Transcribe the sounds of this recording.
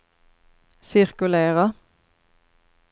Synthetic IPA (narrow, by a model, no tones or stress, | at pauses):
sɪʁkʉleːʁə